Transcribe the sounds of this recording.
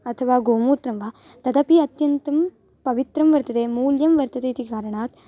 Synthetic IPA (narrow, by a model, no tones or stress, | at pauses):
ɐt̪ʰɐʋaːɡoːmuːt̪ɾɐmʋaː | t̪ɐd̪ɐpiɐt̪jɐnt̪ɐm | pɐʋɪt̪ɾɐmʋɐɾt̪ɐt̪eːmuːljɐmʋɐɾt̪ɐt̪eːt̪ikaːɾɐɳaːt̪